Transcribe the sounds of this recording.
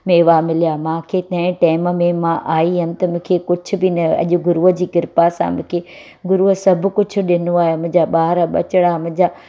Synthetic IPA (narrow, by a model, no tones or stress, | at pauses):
meːʋamɪlijamãːkʰet̪ɐ̃ɦɪ̃ʈaːmmẽmãʔaːiɦɐnɪ̆t̪ɐmʊ̃ːkʰekʊd͡ʑʰʱʊ̆bɪnɐɐ̰ʄʊ̆ɡʊɾuəd͡ʑiːkɪɾpasã̰mʊ̃kʰe | ɡʊɾuəsɐb̆ʱkʊd͡ʑʰʱʊ̆ɗɪnuaːemʊ̃ɪ̃d͡ʑaɓaːɦɾaɓɐt͡ɕɪɽ̃amʊ̃ɦɪ̃ɲd͡ʑa